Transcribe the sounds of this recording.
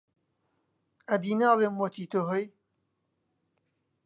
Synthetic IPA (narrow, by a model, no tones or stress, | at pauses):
ɐd̪iːnaːlemwot̪iːt̪oːɦoj